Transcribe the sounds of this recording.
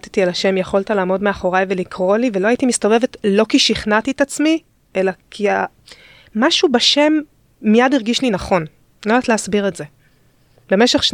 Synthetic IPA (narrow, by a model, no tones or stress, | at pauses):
tet̪ialaʃe̞mjeχo̞lt̪alaːmo̞dmeaχo̞ʁajve̞likʰʁo̞livelo̞aitimist̪o̞vevetlo̞kiʃiχnat̪iːtat͡smi | ʔe̞lakʰia | maʃubaʃe̞mː | ijadiʁɡiʃlinaχo̞n | oatleasbiʁetze̞ | be̞meʃeχʃ